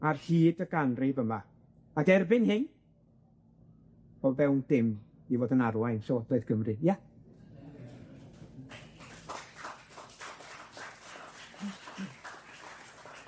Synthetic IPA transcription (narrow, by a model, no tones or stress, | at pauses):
arhiːdəɡanrɪvəma | aɡɛrbɪnhɪn | b̥olˠvɛwnd̥ɪm | ivoːdənarwajnsɛwɔdɛɨðɡ̥ʰəmrɨja